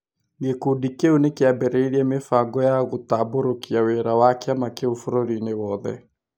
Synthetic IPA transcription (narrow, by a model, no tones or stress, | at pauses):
ŋɡekudikeunekeabɛɾɛiɾiɛmefaŋɡɔjaɣotaboɾokiaweɾawakeamakeofoɾoɾinewɔːðɛ̰